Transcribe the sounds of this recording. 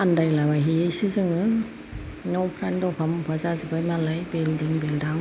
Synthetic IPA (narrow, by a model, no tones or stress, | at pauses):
andajlabaɦiejsizɯŋɯ | nɔpʰɾandɔpʰampʰazazɯbajmalajbeldiŋbelda